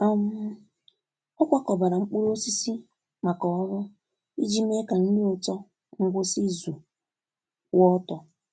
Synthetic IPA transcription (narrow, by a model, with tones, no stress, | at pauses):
a˨m̩˦ | ɔ˦kʷa˦kɔ˨ba˨ɾa˨ŋ͡m̩˦k͡pu˦ɾo˦si˦si˦ | ma˨kɔ˨ɔ˦ɾɔ˦ | i˦d͡ʒi˦me˦ka˨n̩˦dɪ˦ʊ˨tɔ˦ | ŋ̩˦ɡʷo˦si˦zu˨ | wɔ˦tɔ˦